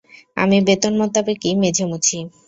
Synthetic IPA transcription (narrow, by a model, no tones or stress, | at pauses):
a̰mibet̪onmɔt̪ːabekimed͡ʑʱemut͡ɕʰi